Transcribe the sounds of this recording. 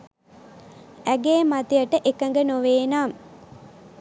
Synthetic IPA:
æɡeːmat̪ijəʈəʔekəŋɡənoʋeːnaːm

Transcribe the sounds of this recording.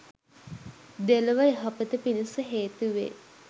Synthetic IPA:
d̪eləʋəeɦapət̪əpinisəɦeːt̪uʋḛ

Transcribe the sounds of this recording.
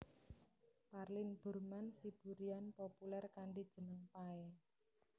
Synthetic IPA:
parlɪnb̥ṳrmansib̥uɾianpopulɛrkaɳɖid̥ʒ̥ə̤nəŋpaɛ

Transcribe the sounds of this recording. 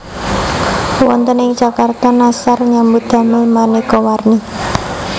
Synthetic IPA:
wɔnt̪ənɪŋ̥d͡ʒ̥akart̪ɔnasarɲambut̪̚a̤mɪlmanikɔwarni

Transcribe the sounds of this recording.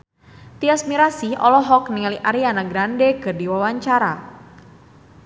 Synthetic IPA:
t̪iasmiɾasiɔ̰lɔɦɔkniŋaliʔaɾianaɡɾandekərdiwawaɲt͡ʃaɾa

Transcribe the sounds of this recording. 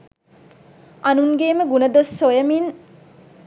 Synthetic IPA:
ɐnuŋɡeːməɡunəd̪osːojəmin

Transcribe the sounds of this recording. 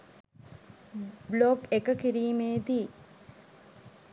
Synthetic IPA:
bloɡekəkiɾiːmeːd̪i

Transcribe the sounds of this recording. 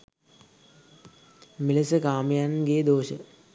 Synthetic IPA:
milesəkaːməjanɡeːd̪oːʃə

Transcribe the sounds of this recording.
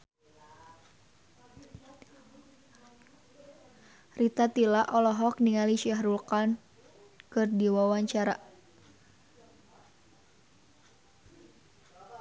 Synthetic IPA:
rit̪at̪ilaʔɔlɔɦɔk̚niŋaliʃaɦɾulkan | kɨrdiwawaɲt͡ʃaɾa

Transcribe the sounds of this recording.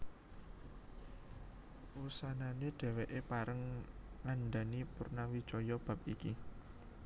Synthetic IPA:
wusananeɖ̥ɛ̤weʔepaɾəŋŋaɳɖanipurnawi̥t͡ʃɔjɔb̥ä̤p̚iki

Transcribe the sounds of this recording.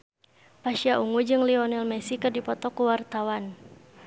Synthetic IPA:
paʃiaʔuŋud͡ʒɨŋliɔnɛlmɛsikardipɔt̪ɔkuwart̪awan

